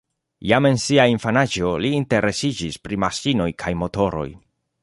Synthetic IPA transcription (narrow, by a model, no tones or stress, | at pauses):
jame̞nsiainfanad͡ʒo̞liːnte̞ɾe̞sid͡ʒispɾimasino̞jkʰajmo̞to̞ɾo̞̰j